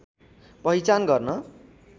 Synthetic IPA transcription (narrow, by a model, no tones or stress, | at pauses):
pʌɦit͡sanɡʌrnʌ